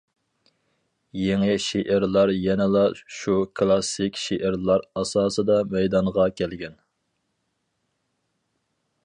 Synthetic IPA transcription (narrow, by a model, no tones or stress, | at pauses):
jeŋɪʃeʔɪɾlˠɑɾjɛnɪlˠɑʃukʰlˠɑsɪkʲʃeʔɪɾlˠɑɾɑsɑːsɨd̪ɑmɛjd̪ɑɴʁɑkʲʰɛlɡʲɛn